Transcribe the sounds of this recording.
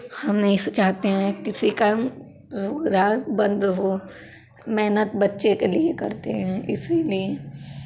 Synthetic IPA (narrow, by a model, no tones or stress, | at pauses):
hɐmnɐɦĩsʊt͡ʃaːt̪eɦɛ̃kɪsikam | zʊɡɾaːbɐ̃nd̪ɾɦo | mɛɦnət̪̚bɐtːʃekeliekɐ̰ɾt̪eɦɛ̃ʔɪ̰silie